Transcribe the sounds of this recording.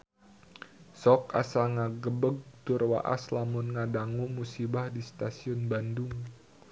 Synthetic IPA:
sɔka̰saŋaɡəbəɡ̚t̪ʊrwa̰ʔa̰slamʊnŋadaŋumusibahdist̪asiɔnbandʊŋ

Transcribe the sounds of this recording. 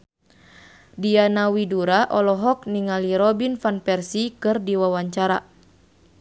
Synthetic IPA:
dianawiduɾaʔɔlɔɦɔk̚niŋaliɾɔbinfanpɛrsikɨrdiwawaɲt͡ʃaɾa

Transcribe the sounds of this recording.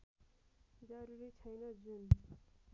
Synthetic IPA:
d͡zʌɾuɾit͡sʰʌjnʌd͡zun

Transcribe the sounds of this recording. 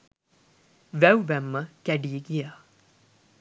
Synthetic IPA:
ʋæwʋæmːəɡ̥æɖiːɡija

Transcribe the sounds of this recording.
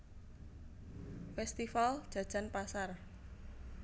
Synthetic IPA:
fɛst̪ifald̥ʒ̥ä̤d̥ʒ̥a̤npasar

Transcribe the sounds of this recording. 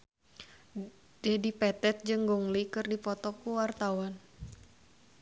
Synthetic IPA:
d̥ɛdipɛt̪ɛt̪̚d͡ʒɨŋɡuŋlikɨrdipɔt̪ɔkuwart̪awan

